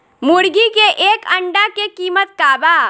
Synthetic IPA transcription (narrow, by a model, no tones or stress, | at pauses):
mʊɽɡikeʔeːkɐ̃ɳɖakekiːmət̪̚kaːbaː